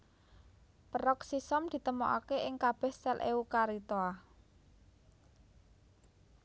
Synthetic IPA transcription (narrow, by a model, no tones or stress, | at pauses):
pəɾɔksisɔmd̪̥i̤t̪əmɔʔa̰keʔɪŋkab̥ɛ̤hsɛlʔeukaɾit̪oa